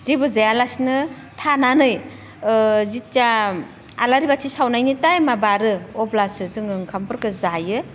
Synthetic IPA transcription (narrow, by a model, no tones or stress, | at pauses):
d̥ibɯzajalasnɯ | tʰananɯj | zita | alaɾibak̚sʰisawnajnitajmabaɾɯɔblasɯzɯŋɯŋkʰampʰɯɾkɯzajɯ